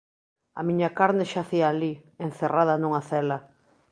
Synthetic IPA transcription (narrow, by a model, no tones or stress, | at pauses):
a̰mĩɲakaɾneʃaθiaːliẽnθeraðanũŋaθɛla